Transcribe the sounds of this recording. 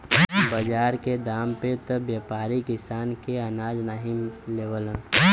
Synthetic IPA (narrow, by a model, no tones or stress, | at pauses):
bəd͡ʒaːɾked̪aːmpet̪əbjaːpaːɾikɪsaːnkeɐnaːd͡ʒnaːɦimleːʋələ̃